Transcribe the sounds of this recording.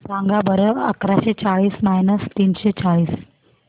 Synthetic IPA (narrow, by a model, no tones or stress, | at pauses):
sãŋɡabəɾəʋə̰kɾaɕet͡saɭiːsmajnəst̪iːnɕet͡saɭiːs